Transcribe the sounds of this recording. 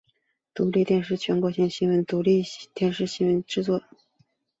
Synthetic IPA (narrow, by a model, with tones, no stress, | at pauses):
t̪u˧˥li˥˧t̪jɛ˥˧nʂɻ̩˥˩t͡ɕʰɥɛ˧˥nkwɔ˧˥ɕjɛ˥˩ŋɕi˧˥ŋwə˧˥nt̪u˧˥li˥˩t̪jɛ˥˧nʂɻ̩˥˩ɕi˧˥nwə˧˥nʈ͡ʂɻ̩˥˧t͡swɔ˥˩